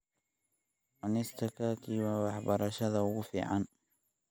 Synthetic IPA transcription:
ʔʊnɪst̪ʰɐkʰɐkʰiːwɑːwɑħbɐɾɐʃɐðɐʊɣʊfḭːʕɑn

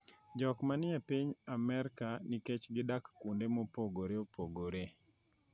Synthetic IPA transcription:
d͡ʒɔkmanɪapiɲamɛɾkaniket͡ʃɡɪdakːundemopoɡoɾeopoɡoɾe

